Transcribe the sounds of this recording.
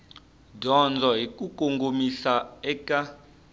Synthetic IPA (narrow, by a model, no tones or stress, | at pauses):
dʱɔnd͡zʱɔɦik̬ʼukʼoŋɡʱomisaɛkʼa